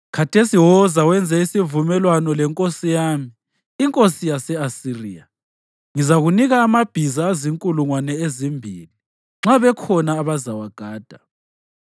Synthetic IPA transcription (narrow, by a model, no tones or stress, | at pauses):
kʰatʰesiwɔzawɛnd͡zʱɛisivumɛlwanɔlɛŋkʼosijaːmiː | ŋkʼosijasɛasiriːa | ŋizaɣuniɣaːmab̥ʱizaːziŋkʼuluŋwanɛezimbʱiːli | ŋ͡ǁaβɛkʰɔnaːβazawaɡ̥ʱaːd̥ʱa